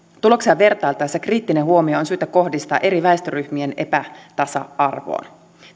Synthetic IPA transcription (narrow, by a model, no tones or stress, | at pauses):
t̪ulo̞ksiɑʋʋe̞rt̪ɑjlt̪ɑjsːɑkriːt̪ːineɦuo̞mioːnsyːt̪æko̞hdist̪ɑ̰ːʔe̞ɾiʋæest̪øryhmie̞ne̞̰pæt̪ɑsɑ̰ɑrʋo̰ːn